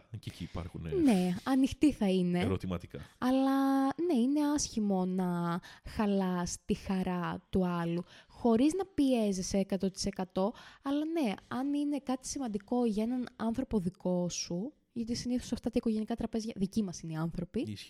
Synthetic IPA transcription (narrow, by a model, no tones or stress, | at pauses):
ceciːpɐ̰ɾxunḛne̞ɐnixt̪iθɐine̞eɾot̪imɐ̰t̪ikɐ̰ɐlɐne̞ine̞ɐsçimo̞nɐxɐlɐst̪ixɐɾɐt̪uɐluxo̞ɾiznɐpieziseekɐt̪o̞t̪i̥se̞kɐt̪o̞ɐlɐne̞ɐnine̞kɐt̪i̥simɐnd̪iko̞ʝɐe̞nɐnɐnθɾo̞po̞ðiko̞su | ʝɐt̪isiniθosɐft̪ɐt̪ɐiko̞ʝe̞nikɐt̪ɾɐpe̞zʝɐðicimɐsineiɐnθɾo̞pi